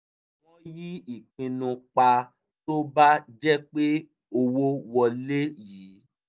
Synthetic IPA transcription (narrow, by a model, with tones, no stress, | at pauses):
w̃ɔ̃˦ji˦i˨k͡pĩ˧nũ˧k͡pa˧ | to˦ba˦d͡ʒɛ˦k͡pe˦ | o˧wo˦wɔ˧le˦jiː˨˦